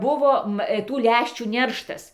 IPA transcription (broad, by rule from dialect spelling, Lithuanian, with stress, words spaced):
ˈbʊʋoː ˈʋɐ ˈtuː ˈlʲæʃʲt͡ʃʲuː ˈnʲɛrʃtɐs